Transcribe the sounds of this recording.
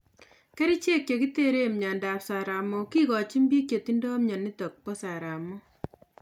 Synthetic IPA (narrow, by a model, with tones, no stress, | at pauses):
kɛ˦ɾɪ˦t͡ʃe˦kja˨kɪ˦te˦ɾe˦mɲa˨nda˨psa˨ɾa˨mo˦ki˦kɔ˨t͡ʃi˦mbi˦kje˨ti˦ndɔ˦mɲa˨nɪ˦tɔ˨k̚pɔ˦sa˨ɾa˨mɔ˦